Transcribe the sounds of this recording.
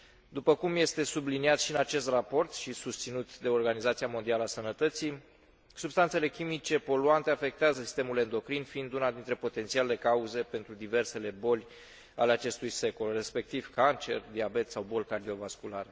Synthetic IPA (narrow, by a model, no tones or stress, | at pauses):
d̪upəkumje̞st̪e̞subliniat̪ʃinat͡ʃe̞st̪rapo̞rt̪ʃisust̪sinut̪d̪e̞o̞rɡanizat̪siamo̞nd̪ialəasənət̪ət̪si | subst̪ant̪sele̞kʲimit͡ʃe̞po̞luant̪e̞afe̞k̚t̪eazəsi̥st̪e̞mule̞nd̪o̞kɾinfiind̪unad̪int̪ɾe̞po̞t̪ent̪sialle̞kauze̞pe̞nt̪ɾud̪ive̞rse̞le̞bo̞lʲ | a̰le̞at͡ʃe̞st̪ujse̞ko̞lre̞spe̞k̚t̪ivkant͡ʃe̞̰rd̪iabe̞t̪sawbo̞lkard̪io̞vaskulaɾe